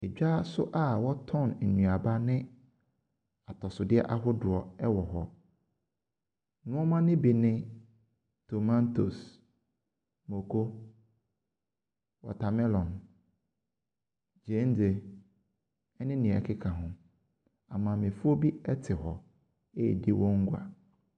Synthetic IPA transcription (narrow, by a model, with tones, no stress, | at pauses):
ɛ˨d͡ʑᶣa˦sʊ˦ʔa˦˨wɔ˦tʰɔ̃˦˨n̩˨nũ˨a˨ba˦nɪ̃˦ | a˨tʰɔ˨sʊ˨dɪ˦ɛ̰˦ʔa˦ɦʊ˦dʊ˨ɔ˨ɛ˦wɔ˨ɦɔ˨ | nʊ̃˦ɔ˦mã˦nɪ̃˦bi˨nɪ̃˦ | tʰo˨mã˦ntʰo˨s | mo˨kʰo˦ | wɔ̰˨tʰa˨mɛ˦lɔ̃˨n | d͡ʑẽ˨˦n˦d͡ze˨ | ɛ˦nɪ̃˦nĩ˨ɛ̰˨kʰɪ˦kʰa˨ɦʊ̃˨ | ã˨mã˨mɪ̃˨fʊ˦o˦bi˦ɛ˦tʰɪ˨ɦɔ˨ | e˦˨di˦wʔɔ̃˦ŋ̩˦ɡʷa̰˨